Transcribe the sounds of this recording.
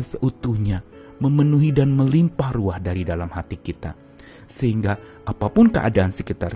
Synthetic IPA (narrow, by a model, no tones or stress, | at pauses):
nsəʔut̪uhɲa | məmənuɦidanməlimpahruahdaɾidalamhat̪ikit̪a̰ | səhiŋɡa | ʔapapʊnkəʔa̰daʔːnsəkit̪ar